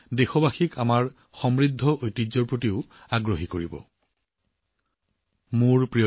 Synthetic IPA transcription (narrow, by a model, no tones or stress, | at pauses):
dexɔbaxikamaɹ | xɔmɹid̪ʱːɔʔojtizɔɹpɹotiʊaɡɹoɦikoɹibɔ̰ | muɹpɹij